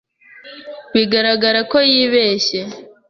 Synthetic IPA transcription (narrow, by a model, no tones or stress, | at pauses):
wiɡaɾaɡaɾako̞jiβe̞ːɕe̞